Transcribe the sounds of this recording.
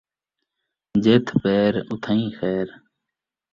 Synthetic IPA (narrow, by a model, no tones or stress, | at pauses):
d͡ʑeːt̪ʰpeːɾʊt̪ʰə̃ĩːxeːɾ